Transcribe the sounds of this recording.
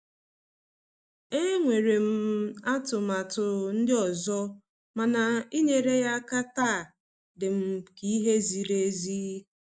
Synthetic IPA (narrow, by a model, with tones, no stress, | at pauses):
e˦ŋʷe˨ɾe˨m̩˦a˦tʊ˨ma˨tʊ˨n̩˦dɪ˦ɔ˨zɔ˦ | ma˨na˨i˦ɲe˨ɾe˦ja˦ka˦ta˦˨ | dɪ˨m̩˦ki˦i˦ɦe˦zi˨ɾe˦zi˦